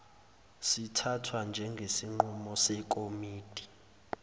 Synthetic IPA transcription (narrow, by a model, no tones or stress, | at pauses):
sitʰatʰwand͡ʒʱɛŋɡʱesiŋ͡ǃumɔsɛkʼomiːd̥ʱi